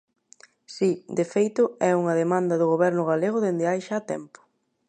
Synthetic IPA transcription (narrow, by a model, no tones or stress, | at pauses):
sid̪efejt̪ʊɛuŋɐðemãnd̪ɐðʊɣ̞oβɛɾnʊɣaleɣʊðend̪eajʃat̪ɛ̰mpʊ̥